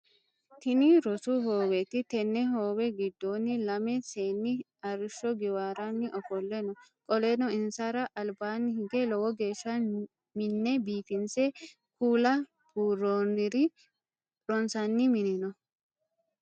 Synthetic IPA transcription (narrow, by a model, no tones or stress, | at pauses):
t̪ɪniɾɔsuɦoːwɛt̪ɪt̪ɛnːɛɦoːwɛɡɪd̪ːoːnːɪlɐmɛseːnːɪ | ɐɾɪʃːɔɡɪwaːɾanːɪʔɔfɔlːɛnɔkʼɔlɛnɔɪnsaɾɐʔɐlbaːnːɪhɪɡelɔwɔɡe̞ːʃːan | mɪnːɛbiːfɪnsɛ | kuːlɐ | buːrːoːnɪɾi | ɾɔnsɐnːɪmɪnɪnɔ